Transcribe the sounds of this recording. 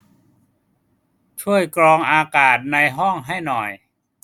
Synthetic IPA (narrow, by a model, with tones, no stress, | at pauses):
t͡ɕʰu˥˩əjkɾɔː˧ŋʔaː˧kaː˨˩t̪̚na˧jɦɔ˥˩ŋɦa˥˩jnɔ˨˩j